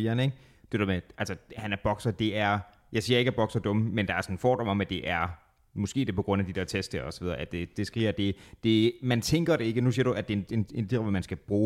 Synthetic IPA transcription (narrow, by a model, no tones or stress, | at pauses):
iːɐneɡ̥ | d̥e̝ð̰ɐmeʔælsɒhænæɐb̥ɒ̽ɡ̥sɐd̥e̝æɐ | jɑ̈ɪsḭːɐe̝ɡ̥æb̥ɒ̽ɡ̥sɐd̥ɔ̽məmend̥ɑ̈æɐsɒnn̩fɒ̰ːd̥ɒ̽mɒ̽mæd̥e̝ʔæɐ | mɔ̽sɡ̥e̝̰ːd̥e̝pɒ̽ɡ̥ʁɔ̽n̰æd̥id̥e̝ɐt͡sʰesd̥əɒ̽sɒʋiðˠɐʔæd̥e̝d̥e̝sɡ̥ʁḭːɐd̥e̝d̥e̝mænt͡sʰeŋɡ̥ɐɾ̥e̝e̝ɡ̥ənusiɐɾ̥uæd̥e̝nendiʁʋmænsɡ̥æb̥ʁuː